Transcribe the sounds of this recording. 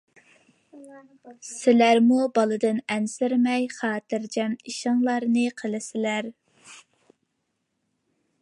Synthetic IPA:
sɪlæɾmubɑlˠɨd̪ɨnɛnsɪɾmɛjχɑːt̪ɨɾd͡ʒɛmiʃɪŋlˠɑɾnɨqʰəlˠɪsɪlæɾ

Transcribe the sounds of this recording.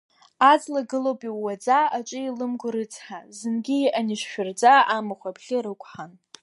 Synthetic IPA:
ad͡zlaɡɨlowpʼiːad͡zaat͡ʃʷʼɨilɨmɡʷʊɾɨt͡sʰʼħazɨnɡʲiʔanɪʃʃᶣʊrd͡zaamɨχʷabʰɮʲɪɾɨkʷʰʼħan

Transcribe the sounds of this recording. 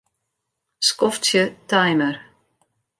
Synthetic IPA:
skɔft̪sjʏt̪ʰajməɾ̥

